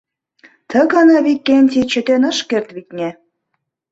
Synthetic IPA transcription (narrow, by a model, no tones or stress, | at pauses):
t̪ʰə̆ɡɑnɑβikʲːenʲt̪ʲit͡ɕɘ̆t̪enɤ̆ʃkert̪βit̪nʲe